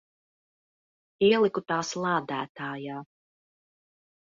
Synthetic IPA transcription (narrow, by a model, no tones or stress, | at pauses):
iɛlˠikut̪aːslˠɑːd̪æːt̪aːjaː